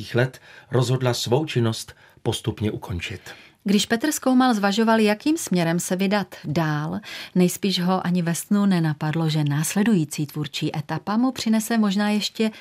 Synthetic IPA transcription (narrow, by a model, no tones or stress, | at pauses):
iːxlɛt̪ɾozɦo̞dlasvowt͡ʃɪnost̪ | po̞st̪upɲɛʔukʰont͡ʃɪt̪ | ɡdɪʃpɛt̪r̩skowmalzvaʒo̞valjakiːmsmɲɛɾɛmsɛvɪdat̪daːlnɛjspiːʒɦo̞ʔaɲɪvɛst̪nunɛnapadloʒɛnaːslɛdujiːt͡siːt̪vuɾt͡ʃiːʔɛt̪apamupr̝̥ɪnɛsɛmo̞ʒnaːjɛʃcɛ